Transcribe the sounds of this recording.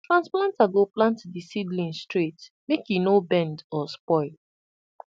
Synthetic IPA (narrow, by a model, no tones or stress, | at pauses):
tɹãnsplãntaɡoplãntdisidlĩnstɹit | mekjunobɛ̃ndɔspɔɪl